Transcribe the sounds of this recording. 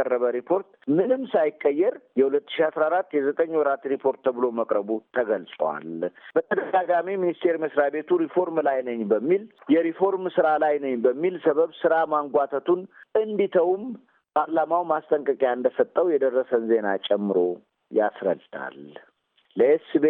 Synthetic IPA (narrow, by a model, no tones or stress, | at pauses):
ərːəβəɾipʰo̞ɾt̪mɨnɨmsajɪkʼːəjːɛɾjɛhulət̪ːɨ̥ʃiasɾaɾat̪ːjɛzət̪ʼəɲːwɔɾat̪ɾipʰo̞ɾt̪ːəβɨlo̞məkʼɾəβut̪ʰəɡəlsʼə̰wa̰lb̥ət̪ʰəd̪əɡaɡamiminist̪ʰe̞ɾiməsɾabe̞t̪ʰuɾifo̞ɾmlajnəɲbəmːiljɛɾifo̞ɾmsɨɾalajnəɲbəmːilsəβəβsɨɾamaŋɡʷat̪ʰət̪ʰunɨnd̪it̪ʰəwm | pʰaɾlamawmast̪ʼəŋkʼəkʼjaɨnd̪əsət̪ʼːəwjɛd̪ərːəsənze̞na̰t͡ʃʼɛmːɨɾo̞ | ja̰sɾə̰d̪ɨt̪ʰʼa̰lː | əesɨbe